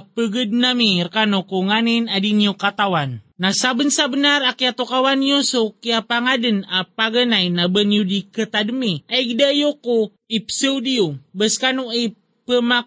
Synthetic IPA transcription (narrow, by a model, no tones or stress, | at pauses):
pəɡəd̚namirkanukuŋaninadiniukat̪awanːasabənsabənarakjat̪ukawanjusokiapaŋadənapaɡənainabənjudikət̪adəmiaikdajoku | ipsəudiubəskanuə | pəmak̚